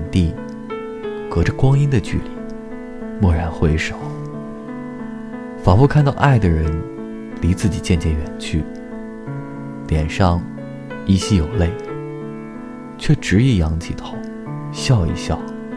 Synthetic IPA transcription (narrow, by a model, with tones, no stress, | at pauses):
nt̪i˥˩ | kɤ˧˥ʈ͡ʂə˧kwɑ˥ŋi˥nd̪ə˨t͡ɕy̰˥˩li˨˩˦ | mwɔ˥˩ɻa˧˥nxwe˥ɪʂo˨˩˦ʊ | fɑ˨˩ŋfu˥˧kʰa˥˧nt̪ɑ˥˧ʊʔa˥˩ɪd̪ə˩ɻə˧˥n | li˧˥t͡sɹ̩˥˩t͡ɕi˨˩t͡ɕjɛ˥˧nt͡ɕjɛ˥˩nɥɛ˨˩nt͡ɕʰy˥˩ | t̪jɛ˨˩nʂɑ˥˧ŋ | i˥ɕi˥˩jo˨˩ʊle˥˩ɪ | t͡ɕʰɥɛ˥˩ʈ͡ʂɻ̩˧˥i˥˩jɑ˧˥ŋt͡ɕʰi˧˩t̪ʰo˨˦˥ | ɕjɑ˥˧ʊḭ˧ɕjɑ˥˩ʊ